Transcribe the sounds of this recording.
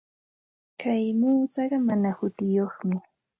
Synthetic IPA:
kʰajmuːt͡sɑɢɑmanahʊt̪ɪjoχmɪ

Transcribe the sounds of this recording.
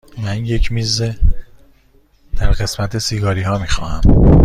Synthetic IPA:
mænje̞cʰmiːze | d̪̥æɾɣe̞smæt̪ʰe̞siːɡɒːɾiːɦɒːmixɒ̰ːhæ̰m

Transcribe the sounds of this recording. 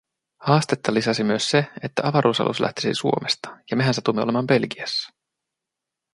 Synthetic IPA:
hɑːst̪e̞t̪ːɑlisɑsimyøsseet̪ːæʔɑʋɑɾʔuːsɑ̰lʔṵslæ̰ht̪i̥sḭsuo̞mest̪ɑ̥jɑme̞ɦænset̪umːeole̞mɑːmbe̞lkiæsːɑ̥

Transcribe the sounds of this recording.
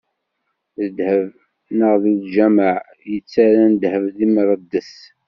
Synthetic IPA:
ðəd̪həv | nəʁðilʒæməʕ | jət͡sːaɾænəd̪həvðimɾˤəd̪ːəθ

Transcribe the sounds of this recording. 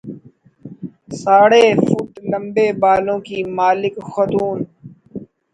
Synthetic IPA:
saːɽeːfʊʈlə̃mbeːbaːlõːkiːmaːlɪkxət̪uːn

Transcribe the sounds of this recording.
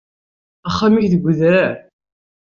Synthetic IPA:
æχːamiçðəɡʷəðɾæɾ

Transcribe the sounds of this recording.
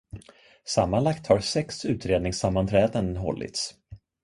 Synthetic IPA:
samːanlakt̪haɾsɛksʉ̟ːt̪ɾeːd̪nɪŋsamːant̪ʰɾɛːd̪ənɦɔ̰lːʔɪ̰t̪s

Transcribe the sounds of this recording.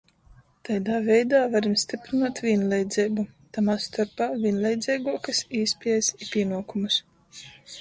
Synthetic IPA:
t̪ajd̪aːvɛjd̪aːvaɾimsʲt̪ipɾinaːt̪vʲinlˠʲɛjd̪zɛjbut̪amast̪aɾpaːvʲiɛnlʲˠɛjd̪zʲɛjɡuɔkasiːspʲiɛjsipʲiɛnuɔkumus

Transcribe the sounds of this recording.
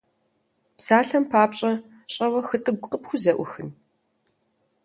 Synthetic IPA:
psaːɬɐmpʰaːpɕʼɐ | ɕʼɐwɐxɨtʼɨɡʷʊqʼəpxʷʊzɐʔʷʊ̰xɨn

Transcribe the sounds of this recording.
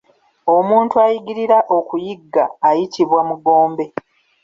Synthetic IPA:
o̞muːntuajiɡiɾiɾaʔo̞kujiɡːaːjitʰiβwamuɡo̞ːmbe̞

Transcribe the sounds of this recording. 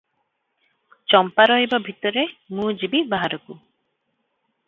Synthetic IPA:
t͡ʃɔmpaɾɔɦibabʱit̪ɔɾemũd͡ʒibibaɦaɾɔku

